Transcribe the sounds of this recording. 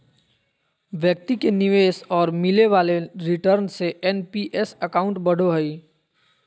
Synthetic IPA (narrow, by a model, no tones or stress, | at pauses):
ʋjək̚t̪ikenɪʋeːsɔːɾmɪleʋaːleɾɪʈəɾnseʔɛnpiʔɛsəkaːʊ̃ɳʈbɐɽ̤oɦəi